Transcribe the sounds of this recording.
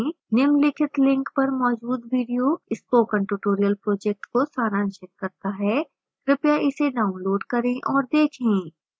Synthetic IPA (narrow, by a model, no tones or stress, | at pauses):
nɪmlɪkʰɪt̪lɪ̃ŋkpɐɾmɔːd͡ʒuːd̪ʋiːɖijoɪspoːkə̃ɳʈjuːʈoːɾijəlpɾoːd͡ʒɛk̚ʈkosaːɾãːnʃɪt̪̚kɐɾt̪aɦɛː | ɾɪpjaʔɪseɖaːʊ̃nloːɖkɐɾẽʔɔːɾd̪eːkʰẽː